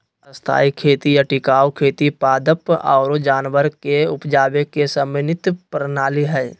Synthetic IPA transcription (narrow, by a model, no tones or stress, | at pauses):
əst̪ʰa̰ːikʰeːt̪ijaʈɪkaːwkʰeːt̪ipaːd̪əpɔ̰ːɾod͡ʒaːnʋəɾkeʊpd͡ʒaːʋekesəmɪnɪt̪pɾnaːliɦɛː